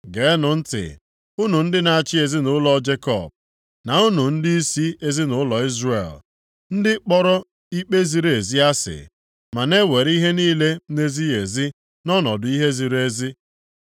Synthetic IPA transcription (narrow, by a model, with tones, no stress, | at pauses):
ɡe˨˦nʊ˨n̩˦tɪ̰˨ | u˦nu˨n̩˦dɪ˦na˨a˨t͡ʃɪ˦e˨zi˦nʊ˨˦lɔ˦d͡ʒe˦kɔ̰˨b̚ | na˨u˦nu˨n̩˦dɪ˦i˦si˦e˨zi˦nʊ˦lɔ˨i˦zrḛ˨l | n̩˦dɪ˦k͡pɔ˦ɾɔ˦ | i˦k͡pe˦zi˨ɾe˨zi˦a˦sɪ̰˨ | ma˨ne˦we˨ɾi˦ɦe˦niː˦le˦ne˦zi˦e˨zi˦ | nɔ˦nɔ˨dʊ˨˦i˦ɦe˦zi˨ɾe˦zi˦